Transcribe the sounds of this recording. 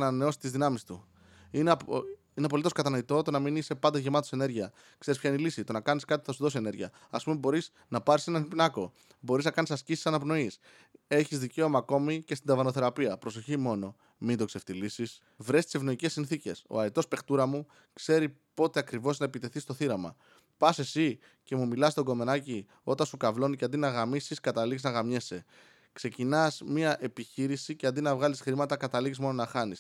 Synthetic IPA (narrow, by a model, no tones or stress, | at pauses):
nɐneo̞si̥t̪izðinɐmist̪u | ine | ineɐp̬o̞lit̪o̞skɐt̪ɐno̞it̪o̞t̪o̞nɐminise̞pɐnd̪ɐʝe̞mɐt̪ose̞ne̞ɾʝiɐ | kse̞ɾispçɐinelisit̪o̞nɐkɐniskɐt̪ipu̥θɐsuðo̞sie̞ne̞ɾʝiɐ̰ | ɐspumebo̞ɾis | nɐpɐɾise̞nɐnipinɐko̞ | bo̞ɾiznɐkɐnisɐscisi̥sɐnɐpno̞is | e̞çizðice̞o̞mɐːko̞micest̪ind̪ɐvɐno̞θe̞ɾɐpiɐpɾo̞so̞çimo̞no̞ | mind̪o̞kseft̪ilisis | vɾe̞st̪ise̞vno̞ice̞sːinθice̞̰so̞̰ɐɾet̪o̞spe̞xt̪uɾɐmu | kse̞ɾipo̞t̪e̞ɐkɾivo̞znɐepit̪e̞θist̪oθiɾɐmɐ̰ | pɐse̞si | ce̞mumilɐsst̪o̞ɡo̞me̞nɐci | o̞t̪ɐnsukɐvlo̞niceɐnd̪inɐɣɐmisiskɐt̪ɐliɣznɐɣɐmɲese̞ | kse̞cinɐsmiɐʔe̞piçiɾisiceɐnd̪inɐvɣɐlisxɾimɐt̪ɐkɐt̪ɐliɣizmo̞no̞nɐxɐnis